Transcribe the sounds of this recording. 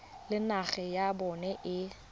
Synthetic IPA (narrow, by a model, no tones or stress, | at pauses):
lɪnaɣɛjabɔnɛʔɪ